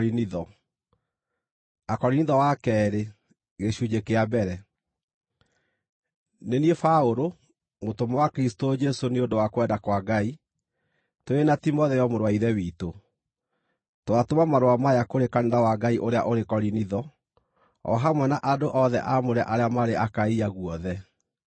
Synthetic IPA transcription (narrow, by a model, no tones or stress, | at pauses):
ɾiniðɔ | akɔɾiniðɔwakɛːɾe | ɣeɕuɲekeabɛɾɛ | neniefaoɾo | motomɔwakɾistod͡ʒɛsoneondowakwɛdakwaɡai | toenatimɔðɛjɔmoɾwaiɾɛwito | toatomamaɾoamajakoɾekanenawaɡaiʔoɾea̰ʔoɾekɔɾiniðɔ | ɔ̰ɦamwɛnaʔadoʔɔðɛ̰ʔamoɾɛʔaɾeamaɾeakaiaɣwɔðɛ